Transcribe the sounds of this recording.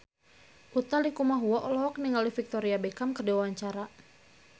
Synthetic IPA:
ʔut̪alikumaɦuɔʔɔlɔɦɔk̚niŋalifik̚t̪ɔɾiabekamkərdiwawaɲt͡ʃaɾa

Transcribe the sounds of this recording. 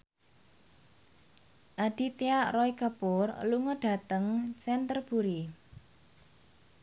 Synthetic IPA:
ʔaɖ̥i̤t̪iarɔikapʊrluŋəɖ̥a̤t̪əŋsɛnt̪ərb̥uɾi

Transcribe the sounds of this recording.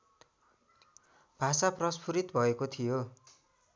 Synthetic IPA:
b̥ʱasaprʌspʰuɾit̪bʱʌekot̪ʰijo

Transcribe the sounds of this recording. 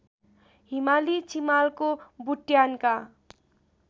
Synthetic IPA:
ɦimalit͡simalkobuʈjanka

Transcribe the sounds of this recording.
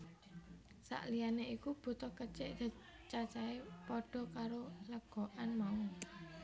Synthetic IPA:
sa̰ʔlijaneikub̥ṳt̪ɔkət͡ʃeʔd̪̥a̤ | t͡ʃat͡ʃaepɔɖ̥ɔ̤kaɾoləɡ̥o̤ʔanmau

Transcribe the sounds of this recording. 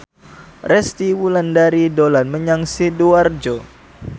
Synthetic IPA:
rɛst̪iwulandaɾidolanməɲaŋsiduard͡ʒo

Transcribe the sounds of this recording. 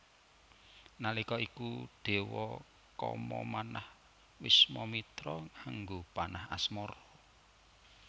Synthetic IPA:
nalikɔikuɖ̪̥e̤wɔ | kɔ̰mɔmanah | wɪsmɔmit̪ɾɔŋaŋɡopanaha̰smɔɾɔ

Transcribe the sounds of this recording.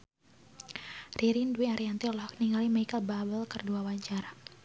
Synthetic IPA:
riɾinduwiaɾiant̪iɔlɔɦɔk̚niŋalimaikababəlkərduawaɲt͡ʃaɾa

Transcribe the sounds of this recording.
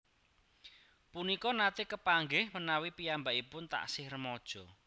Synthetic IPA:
punikɔnat̪ɪkəpaŋɡɪhmənawipijambaʔipʊnt̪a̰ʔsɪhrəmɔd̥ʒ̥ɔ

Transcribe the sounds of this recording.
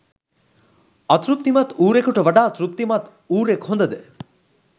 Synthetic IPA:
ɐt̪ɾup̚t̪imɐt̪uːɾekuʈəʋɐɖaːt̪ɾup̚t̪imɐt̪ | uːɾekhõnd̪əd̪ɛ

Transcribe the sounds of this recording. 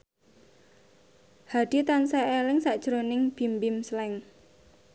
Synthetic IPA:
had̥i̤t̪ansaelɪŋsaʔd̥ʒ̥ɾonɪŋb̥i̤mbɪmslɛŋ

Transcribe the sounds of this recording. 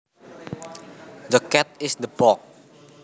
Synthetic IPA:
dəkɛt̪̚ɪsd̪əbɔk̚

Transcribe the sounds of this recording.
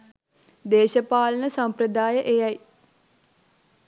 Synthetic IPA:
d̪eːʃəpaːlənəsamprəd̪aːjəʔejaj

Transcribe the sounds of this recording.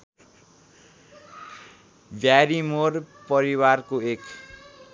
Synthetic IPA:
bjaɾimorpʌɾiwarkoek

